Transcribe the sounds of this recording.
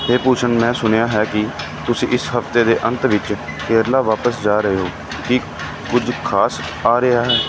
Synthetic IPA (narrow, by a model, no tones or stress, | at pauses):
ɦeːpuːt͡ʃʰəɳmɛ̃ːsʊnejaːɦɛːkɪ | t̪ʊsĩːʔɪsɦəft̪eːd̪eːʔənt̪ʋɪt͡ʃ | kʰeːɾlaːʋaːpəsd͡ʒaːɾəɦeːɦoː | kɪ | kʊd͡ʒkʰaːs | aːɾəaːɦɛː